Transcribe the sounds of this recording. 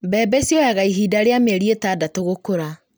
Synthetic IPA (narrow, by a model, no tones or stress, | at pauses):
bɛːbɛsjɔjaɣaiɦiːdaɾeameɾietaːdatoɣokoɾa